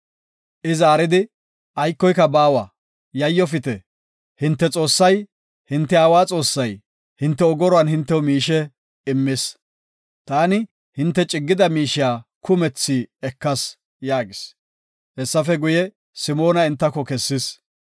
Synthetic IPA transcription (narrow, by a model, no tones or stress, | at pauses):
ʔɪzaːɾɪd̪ɪ | ʔɐjkːɔjkːɐbaːwa | jɐjːɔfɪt̪ɛ | hɪnt̪ːɛt͡sʼo̞ːsːɐj | hɪnt̪ːɛaːwaːt͡sʼo̞ːsːɐj | hɪnt̪ːɛɔɡɔɾɔanhɪnt̪ːɛwmiːʃɛ | ɪmːɪs | t̪aːnɪ | hɪnt̪ːɛt͡ʃʼɪɡːɪd̪ɐmiːʃɪjaːkʰʊmɛt͡sːiːɛkːɐs | jaːɡɪs | hɛsːɐfɛɡʊjɛ | sɪmo̞ːnɐɪnt̪ːɐkːɔkɛsːɪs